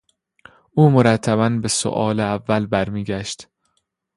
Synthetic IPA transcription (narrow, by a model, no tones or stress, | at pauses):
ʔuːmoɾæt̪ʰːæβænbeso̰ʔɒːleævːælbæɾmiːɟæʃt̪